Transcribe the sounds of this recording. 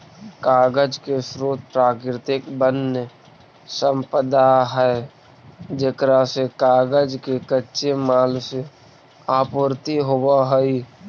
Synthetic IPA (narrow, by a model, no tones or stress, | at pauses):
kaːɡəd͡ʒkesɾoːt̪̚pɾaːkɾɪt̪ɪkbənə | sə̃mpəd̪aɦɛe | d͡ʒekɾasekaːɡəd͡ʒkekətːʃemaːlse | aːpːɾt̪iɦobaɦəi